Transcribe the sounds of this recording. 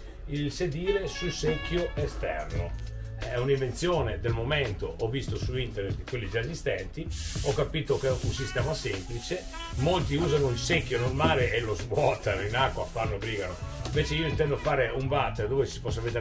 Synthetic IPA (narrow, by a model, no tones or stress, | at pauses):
ilsed̪iːɾesulsekːjoʔest̪ɛ̰rno̰ | ɛɛuniɱvent̪sjoːned̪elmoment̪oʔɔvist̪osuint̪ernet̪d̪ikwelːid͡ʒaezist̪ɛnt̪iɔkːapiːt̪okɛunsist̪ɛːmasemplit͡ʃe | molt̪iuːzanoilsekːjonormaːleʔelozbwɔːt̪anoinakːwafanːoebɾiːɡanoiɱveːt͡ʃeiːoint̪ɛnd̪oafaːɾeuɱvat̪ːed̪oːvesi̥pɔsːaved̪e